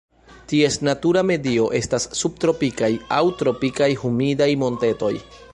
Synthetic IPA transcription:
tie̞snatuɾame̞dio̞ʔe̞stasːub̚tɾo̞pikajawtɾo̞pikajhumidajmo̞nte̞to̞j

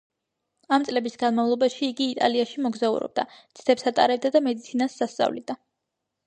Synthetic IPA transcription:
amt̪sʼlɛbisɡanmavlˠɔbaʃiːɡiːt̪ʼa̰liaʃimɔɡzaṵɾɔ̰b̥̚d̪at̪sʰd̪ʰɛpsat̪ʼaɾɛb̚d̪ad̪amɛd̪it̪sʰinasːast̪sʼa̰vlḭd̪a

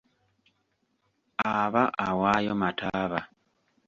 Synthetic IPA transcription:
aβaʔawaːjomatʰaːβa

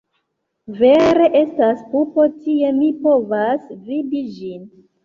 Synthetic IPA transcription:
veɾe̞ʔe̞staspupo̞tie̞mipo̞vasvibid͡ʒin

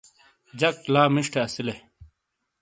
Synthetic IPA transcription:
d͡ʑɐk̚ʈlaːmiʂʈeɐsile

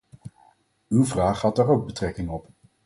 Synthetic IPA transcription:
ywvraːχhɑdaːrowɡ̚bətrɛkɪŋɔp

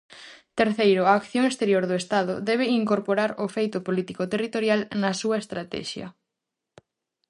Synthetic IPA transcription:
t̪eɾθejɾʊaːkθjoŋest̪eɾjoɾðoest̪aðʊ̰ðɛβ̞ɪiŋkoɾpoɾaɾofejt̪ʊpolit̪ikot̪erit̪oɾjalnɐsuɐest̪ɾat̪ɛ̰ʃjɐ̰

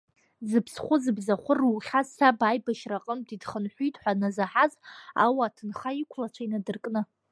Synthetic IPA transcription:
zɨpʰsχʷʊzɨbzaχʷʊrwχʲazsabajbaʃraqʼəmdidχənħʷitʼħʷanazaħaza̰waːtʰɨnχaikʷʰlat͡ʃʷʰainadɨrkʼnɨ

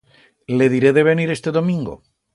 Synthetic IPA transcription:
le̞ðiɾeðe̞β̞e̞niɾe̞st̪eðo̞mĩŋɡo̰

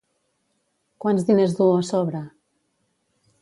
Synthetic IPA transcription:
kwanzðinezðuasɔβɾa

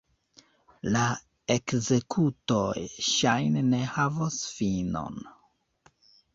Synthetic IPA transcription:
la | e̞kze̞kʰuto̞jʃajnene̞havosfino̞̰n

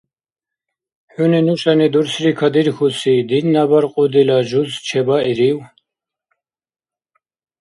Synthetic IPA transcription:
ħuninuʃanid̪uɾsɾikʰad̪iɾxusid̪inːabaɾqʼud̪ilaʒust͡ʃʰɛbaiɾiw

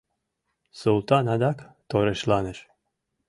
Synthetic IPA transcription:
sulˠt̪anad̪akt̪oɾeʃlaneʃ

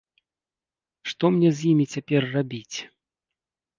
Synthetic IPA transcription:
ʂt̪ɔmnʲɛzʲjimʲit͡sʲapʲɛrːabʲit͡sʲ

